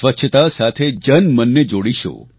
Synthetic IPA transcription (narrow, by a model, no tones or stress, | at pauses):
ʋətːʃʰət̪asat̪ʰed͡ʒənmənːed͡ʒoɽiʃo̰